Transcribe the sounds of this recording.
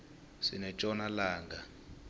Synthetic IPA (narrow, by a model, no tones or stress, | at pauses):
sinɛt͡ʃʼɔnalaːŋɡa